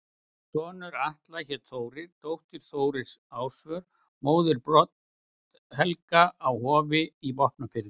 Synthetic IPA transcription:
sɔːnʏɾaht̪laçɛt̪θoːwɾɪɾ̥t̪owht̪ɪɾ̥θoːwɾɪsaːwsvœɾ | moːwðɪɾpɾɔt̪ | hɛlkaːwhɔːvɪivɔhpnafɪɾðɪ

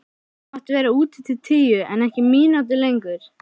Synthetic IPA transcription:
aht̪vɛːɾauːt̪ɪt̪ʰɪlt̪ʰiːjʏɛ̰nɛhcɪmiːnawt̪̬ɪlejŋkʏɾ̥

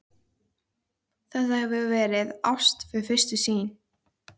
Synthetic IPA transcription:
θɛt̪ahɛvʏvɛːɾɪðawst̪fɪɾɪɾfɪr̥st̪ʏsiːn

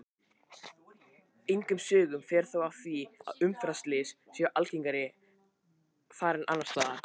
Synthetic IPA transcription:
ejŋkʏmsʏːɣʏmfɛːɾ̥θawawθia̰ðʏmfɾast̪lɪsːjʔalciŋkaɾɪ | faːɾɪnʔa̰nːanst̪aːa

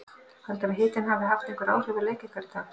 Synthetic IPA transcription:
halt̪amɪɦɪːt̪ɪnhavðɪɦaft̪ɛhŋkʏɾa̰ːwr̥ʏvʏleːjcɪ̥kʰaɾɪt̪ʰaːk

